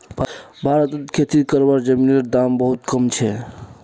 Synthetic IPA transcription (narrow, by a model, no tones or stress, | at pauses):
b | bʱaɾət̪ət̪kʰet̪id̪kəɾbaɾd͡ʒəmineɾd̪ambəɦut̪kəmt͡ʃʰɛ